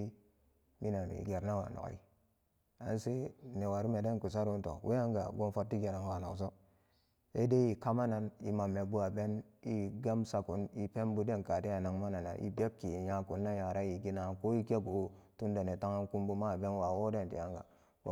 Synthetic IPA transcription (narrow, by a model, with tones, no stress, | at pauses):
mi˦na˨nṵ˨ḭ˨ɡe˨ɾna˦wa̰˨no̰˨˦ḭ˦ | a̰˦n˦se˦ne˨wa˨ɾi˦me˨de˦ku˨s̬a˦ɾu˦n˦to̰˨wʔḛ˦ja˦ŋɡa̰˨ɡo˦nfo˦ɾti˦ɡe˨ɾa˨nwa˨no˨ks̬o˦ | ḛ˦de˦ji˨ka˦ma˦na˨ni˨ma˨mːe˨bu˦a˨be˦ni˦ɡa˦msa˨ku˨˦ni˨pe˦mbu˦de˦nka˨ti˦ja˨na˨ŋma˦na˨na̰˨ʔḭ˦be˦k̚kːi˨ja˨ku˨nːa˦ja˨ɾa˦ji˨ɡi˦na˨ko˦i˦ke˦ɡu˨˦tu˦nde˨ne˨ta˦ŋa˦nku˦mbu˦ma˦˨be˦nwa˨wo˦de˦˨ntḭ˨ja˦ŋɡa̰˨˦